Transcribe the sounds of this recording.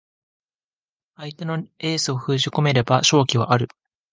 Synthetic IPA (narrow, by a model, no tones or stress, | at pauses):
ait̪e̞no̞e̞ːsɨo̞ɸɯ̟ːʑiko̞me̞ɾe̞baɕo̞ːkʲiβa̰ʔaɾɯ̟